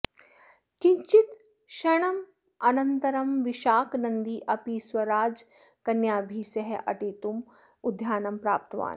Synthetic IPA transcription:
kiɲt͡ʃit̪ | ʃɐɳ̃ɐm | ɐnɐnt̪ɐɾɐmʋiʃaːknɐnd̪iːʔɐpiswɐɾaːd͡ʒ | kɐnjaːbʱiːsɐɦeʔɐ̰ʈeːt̪um | ud̪ʱjaːnɐmpɾa̰ːp̚t̪ɐʋa̰ːn

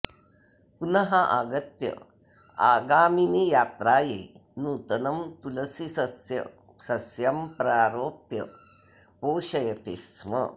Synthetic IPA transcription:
punɐɦaʔaɡɐt̪jɐ̰ | a̰ɡaːminijaːt̪ɾaːjenuːt̪ɐnɐmt̪ulɐsisɐjɐ̰ | sɐsjɐmpɾaːɾoːpjɐ̰ | poːɕɐjɐt̪esmɐ̰

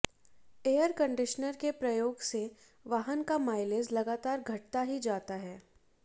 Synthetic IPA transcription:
eːəɾkə̃ɳɖɪʃnəɾkepɾɐjoːɡse | ʋaːɦənkamaːɪleːzlɐɡaːt̪aːɾɡʱɐʈ̚t̪aɦid͡ʒaːt̪aɦɛː

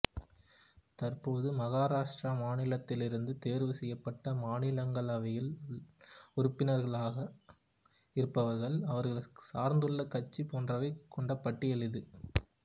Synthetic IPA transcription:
t̪ɐrpoːðɯmɐɣaːɾaːʂʈramaːnɪlɐt̪ːɪlɪɾɯnd̪ɯt̪eːɾʋɯsɛjːɐpːɐʈːɐmaːnɪlɐŋɡɐɭɐʋɐjɪl | ʊɾʊpːɪnɐɾɣɐɭaːɣɐ | ɪɾɯpːɐʋɐɾɣɐɭɐʋɐɾɣɐɭsaːɾnd̪ɯɭːɐkːɐt͡ʃːipoːndrɐʋɐɪkːɔɳɖɐpːɐʈːɪɛɭɯðɯ

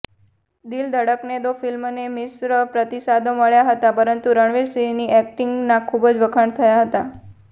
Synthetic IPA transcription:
d̪ild̪ʱəɽəkned̪ofilmnemɪsɾəpɾət̪isad̪oməɭjaɦət̪apəɾənt̪uɾəɳʋeɾsiniʔɛk̚ʈiŋɡnãkʰubd͡ʒʋəkʰəɳt̪ʰəjaɦət̪a

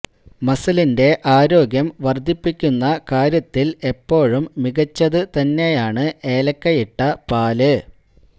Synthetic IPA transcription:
mɐsɐlinde̞ʔaːɾo̞ːɡjɐmʋɐrd̪ʱːipːikʲːunːɐkaːɾjɐt̪ːile̞pːo̞ːɻumːiɣɐt͡ɕːɐðɨt̪ɐnːe̞jaːɳɨe̞ːlɐkːɐjiʈːɐpaːlɨ

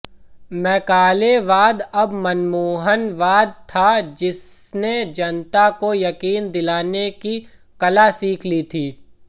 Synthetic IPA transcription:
mɛ̃ːkaːleʋaːd̪ɐbmɐnmuːɦənʋaːd̪̚t̪ʰad͡ʒɪsned͡ʒɐnt̪akojɐkiːnd̪ɪlaːneki | kɐlasiːkʰlit̪ʰiː

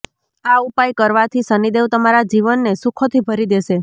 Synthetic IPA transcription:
aupajkəɾʋat̪ʰisənid̪eʋt̪əmaɾad͡ʒiʋənːesukʰot̪ʰibʱəɾid̪eʃe

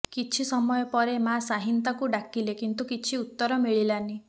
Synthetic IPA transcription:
kit͡ʃʰisɔmɔjɔpɔɾemasaɦint̪akuɖakilekint̪ukit͡ʃʰiut̪ːɔɾɔmiɭilani

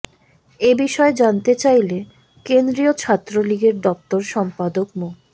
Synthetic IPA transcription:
ebiʃɔed͡ʑant̪et͡ɕajle | kend̪ɾiot͡ɕʰat̪ːɾoliɡeɾɖɔp̚t̪oɾʃɔmpad̪okmo

